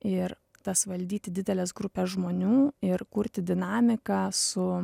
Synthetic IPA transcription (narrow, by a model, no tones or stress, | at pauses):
ɪɾ | t̪ɐsʋɐlʲd̪ʲiːt̪ʲɪd̪ʲɪd̪ʲɛlʲɛs̬ɡɾʊpʲɛːsʒmoːnʲuːɪɾkʊɾʲt̪ʲɪd̪ʲɪnɑːmʲɪkɑːsʊ